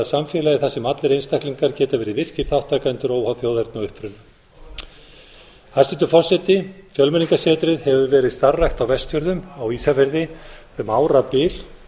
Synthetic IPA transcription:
ðsamfjɛːlajɪθasɛmat̪lɪɾejnst̪ahkliŋkaɾcɛːt̪avɛːɾɪðvɪr̥cɪɾ̥θawht̪ʰːaːjkaɛnt̪ʏɾoːwhawθjoːwðɛɾt̪naʏhpɾʏn | hajsɪnt̪ʏfɔ̥sɛt̪ɪfjœlmɛniŋkasɛːt̪ɾɪðhɛvʏvɛːɾɪðst̪arːajht̪awvɛst̪jœɾðʏmawisafɛɾðɪ | maːwɾapɪːl̥

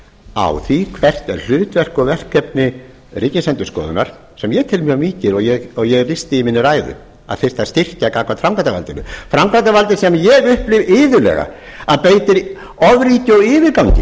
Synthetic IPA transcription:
a̰wθikʰvɛr̥t̪ɛ̰ɾ̥l̥ʏːt̪vɛr̥kɔvɛr̥kʰːɛpnɪ | riːcɪnsɛnt̪ʏskɔ̰ːðʏ̰naɾ̥ | sɛmjɛt̪ʰɪlmjœmiːcɪɾɔɣjɛɣɔɣjɛɣlɪst̪ɪiminːʏɾaːjðʏ̰ | a̰ðθɪst̪aðst̪ɪr̥cakaːkʰvat̪fɾawmkɾant̪avalt̪ɪnʏ̰fɾawmkant̪avalt̪ɪsɛmjɛɣʏhplɪvɪːðʏlɛ̰ɣa̰ | aðpeːjt̪ɪɾ | ɔvɾiːc̪ɔwɪːvɪɾkawɲcɪ̰

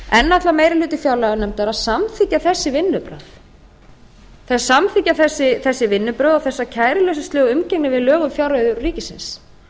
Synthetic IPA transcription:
ɛnːat̪lamejɾɪlʏːt̪ɪfjawlaɣanɛmt̪ɛɾaðsamθiːcːaθɛsːɪvɪnːʏpɾa̰θ | θɛsasamθiːcaθɛsːɪθɛsːɪvɪnːʏpɾœːðɔθɛsːacʰaːjɾɪlœːɥsḁst̪ɪːɣʏmcɛknɪvɪðlœːɣʏmfjawɾœɥðʏːiːcɪsɪ̰ns

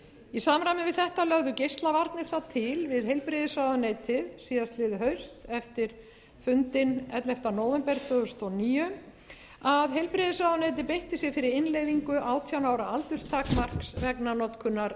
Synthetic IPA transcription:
isaːmɾamɪvɪðθɛht̪alœɣðʏcejst̪lavaɾt̪̚nɪɾ̥θat̪ʰɪlvɪðɦejlpɾeðɪsvawðʏneːjt̪ɪðsiːðast̪lɪðʏɦœɥst̪ɛft̪ɪɾ̥ | fʏnt̪ɪnɛ̰t̪lɛft̪anɔːwvɛmpɛɾ̥t̪ʰvœːɣʏst̪ɔniːjʏ | aðɦejlpɾɪðɪsaːwðʏnejt̪̬ɪpejht̪ɪsjɛfɪɾɪɾɪnlejviŋkʏʔaːwt̪ʰjawnaːwɾaalt̪ʏst̪ʰaːkmar̥ksvɛknanɔt̪kʰʏnːaɾ

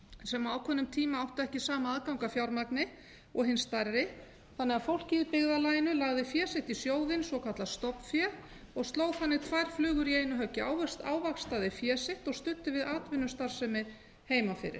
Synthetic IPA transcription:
sɛmaaːwkʰvɔnːʏmt̪ʰiːmaawht̪ɛhcɪsaːmaaðkawŋkafjawɾmaknɪ | ɔɣɦɪnst̪arːɪ | θanːɛɣafowl̥cɪɪpɪɣðalajɪnʏlaɣðɪfjɛːsɪht̪isjoːwðɪnswɔkʰat̪last̪ɔpfjɛ | ɔɣst̪loːwθanːɪt̪ʰvajɾ̥flʏːɣʏɾiejnʏɦœcːɪaːwvɛst̪a̰ːwvakst̪aðɪfjɛːsɪht̪ɔɣst̪ʏt̪ːɪvɪðaːt̪vɪnːʏst̪aɾ̥sɛmɪ | heːjmafɪ̰ːɾɪ̰ɾ̥

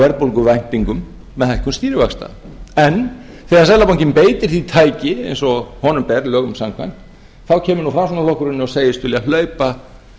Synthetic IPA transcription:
vɛɾpowlkʏvajn̥t̪iŋkʏmː | ɛðhɛl̥kʏmst̪iːɾɪvaxst̪a̰ɛn | θɛːɣaɾsɛlapawŋɲcɪmpeːjt̪ɪɾ̥θit̪ʰaːjcɪḛjnsɔhɔːnʏmpɛɾlœːɣʏmsaŋkʰvajnt̪ | θawcʰɛːmʏɾnufɾaːsɔnalɔhkʏɾɪnːɪɔseːjɪst̪ʏlialœɥpa

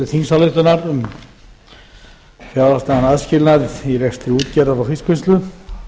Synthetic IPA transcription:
ɪθinsalʏht̪ʏnaɾ | fjaðast̪aanaðscɪlnaðɪiɾɛkst̪ɾɪuːt̪cɛɾðaɾawfiskʏnst̪lʏ

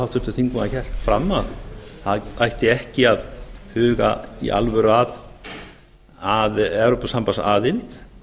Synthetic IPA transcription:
awht̪ʰʏɾt̪ʏ̥θiŋkaaçɛl̥t̪fɾamːaðθaðajht̪ɪɛhcɪaðhʏːɣa̰ḭʔa̰lvœɾað | aðɛwɾopasampasaːðɪlt̪

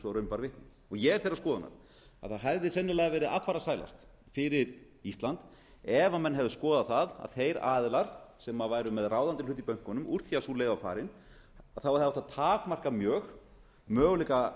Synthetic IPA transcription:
sɔɾœɥmpaɾvɪht̪nɪ | ɔɣjɛɣɛɾ̥θejɾaskɔːðana̰ɾ̥ | a̰ðθaɦavðɪsɛnːɪlaɛɣavɛːɾɪðaffaɾasaːjla̰st̪ | fɪɾɪɾ | ist̪lant̪ | ɛvamɛnːɦɛvðʏskɔːðaθaða̰ðθejɾaːðlaɾ̥sɛmavaːjɾʏmɛðraːwðant̪ɪlʏht̪ipœjŋ̥kɔnʏmuɾ̥θiasulejvafa̰ːɾɪn | aθawaɾθaaht̪aðt̪ʰaːkmar̥kamjœːx | mœːɣʏlɛjka

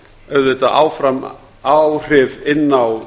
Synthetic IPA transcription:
œðɪt̪aʔa̰ːwfɾam | awr̥ɪvɪnːaw

